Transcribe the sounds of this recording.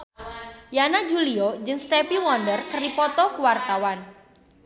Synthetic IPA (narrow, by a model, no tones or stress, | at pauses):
janad͡ʒuliod͡ʒɨŋst̪ɛpiwɔndərkərdipɔt̪ɔkuwart̪awan